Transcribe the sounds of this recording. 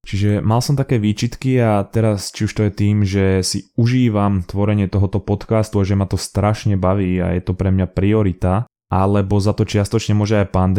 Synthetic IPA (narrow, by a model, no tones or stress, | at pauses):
t͡ʃiʒɛmalsɔmt̪akɛːʋiːt͡ʃit̪kiat̪ɛɾast͡ʃiuʃt̪ɔjɛt̪iːmʒɛsiuʒiːʋamt̪ʋɔɾɛɲɪɛt̪ɔɦɔt̪ɔpɔt̪kaːst̪uaʒɛmat̪ɔst̪ɾaʃɲɛbaʋiːa̰jɛt̪ɔpɾɛmɲapɾiɔɾit̪a | ʔalɛbɔzat̪ɔt͡ʃɪast̪ɔt͡ʃɲɛmʊɔʒɛajpand̪